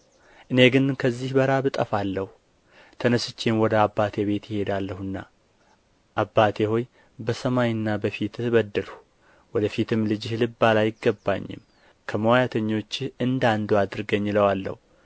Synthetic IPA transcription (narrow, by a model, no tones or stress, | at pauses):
ʔɨne̞ɡɨnkʰəzːihbəɾabɨt̪ʼəfalːəhu | t̪ʰənəsɨt͡ʃːenwɔd̪əabːat̪ʰe̞βe̞t̪jɪhe̞d̪alːəhɨnːa̰ | ʔabːat̪ʰeho̞j | bəsəmajɨnːabəfit̪βəd̪ːəlu | wɔd̪əfit̪ʰɨmlɨd͡ʒɪhlɨbːalajɪɡːəbːa̰ɲːɪ̰m | kʰəməwajat̪ʰəɲːo̞t͡ʃːɨnd̪and̪oad̪ɨɾɨɡəɲːɪləwalːə̰hu